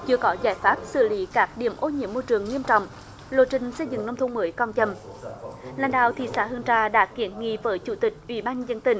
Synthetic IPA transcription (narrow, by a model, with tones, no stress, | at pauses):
t͡ɕɨ˧əkɔ˨˦zaː˧˩jfaː˦˥p̚sɨ̰˧˨˩lḭ˨˦kaː˦˥k̚ɗḭ˧˩əmʔo˧ɲḭ˧˥əmːo˧jt͡ɕɨ˨˩əŋŋi˧əmt͡ɕɔ̰˧˨wŋ͡m | lo˧˨t͡ɕï˧˩ŋ̟sə˧jzɨ̰˧˨ŋnə˧wŋ͡mt̪ʰŋ͡mməː˨˦jkɔ˧nt͡ɕə˧˩m | la̰ː˧˩nɗa̰ː˧˨wt̪ʰḭ˧˨˩saː˧˦hɨ˧˩əŋt͡ɕaː˧ɗa̰ː˧˥ki˨˦ənŋḭ˧˨vəː˨˦jt͡ɕu˧˩t̪ï˨˩k̟̚ʔwḭ˧˩˦ɓaː˧nzə˧nt̪ï˧˩ŋ̟